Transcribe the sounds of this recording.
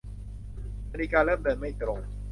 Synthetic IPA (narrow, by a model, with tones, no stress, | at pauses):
ma˧ɾiː˧kaː˧lɤː˥˩mdɤː˧nma˥˩jt̪ɾo˧ŋ